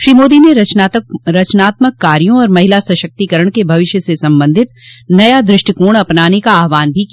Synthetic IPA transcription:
ʃɾiːmoːd̪ineɾɐt͡ʃɾɐt͡ʃnaːt̪məkːaːɾijõɔːɾmɐɦɪlasɐʃək̚t̪ikəɾəɳ̃kebʱɐʋɪʃjəsesɐ̃mbə̃nd̪ʱɪt̪̚nɐjad̪ɾɪʃʈikuːɽ̃ɐpnaːnekaːɦʋaːnbʱiki

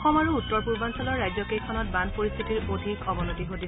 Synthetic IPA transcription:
xɔmaɹuːtːɔɹpuɹbansɔlɔɹːajzɔkejkʰɔnɔt̚banpoɹist̪ʰitiɹodʱikɔbɔnotiɦodi

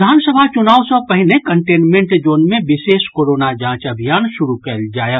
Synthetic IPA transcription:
d̪ʱaːnsəbʱat͡ʃʊnaːwsɔ̃pəɦɪlekəɳʈeːnmẽɳʈd͡ʒoːnmẽbɪseːskoːɾoːnad͡ʒãːt͡ʃəbʱijaːnʃʊɾukɛld͡ʒaːja

